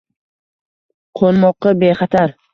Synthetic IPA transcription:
qʰonmɒqːɑbeχɑt̪ʰaɾ

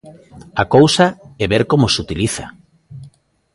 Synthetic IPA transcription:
akowsaɛβeɾkomosut̪iliθa̰

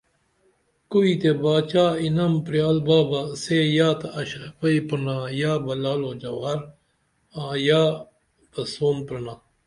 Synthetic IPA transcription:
kuiːt̪ebaːt͡ʃaːinɐmpɾjaːlbaːbasejaːt̪aɐɕpɐipɐnaːjaːbɐlaːloːd͡ʒɐwaːɾ | aːjaː | bɐsoːmpɾɐnaː

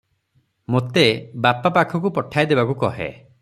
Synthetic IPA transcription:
mot̪ebapapakʰɔkupɔʈʰajd̪ebakukɔɦḛ

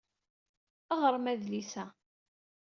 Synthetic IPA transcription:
əʁəɾˤmæðlisæ

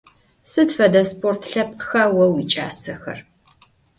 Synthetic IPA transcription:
sɨdfɐdɐspʰʼoːrtʰɬɐp̚qxɐwɐwit͡ʃʼa̰ːsɐxɐ̰r

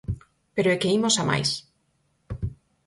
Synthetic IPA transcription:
peɾoekeimosama̰js

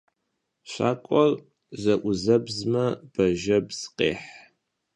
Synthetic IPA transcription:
ɕa̰ːkʷʼɔr | zɐʔʷʊzɐbzmɐb̥ɐʒɐbz̥qḛːħ

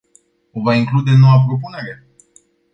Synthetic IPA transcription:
o̞vaiŋklud̪e̞no̞wapɾo̞p̬une̞ɾe

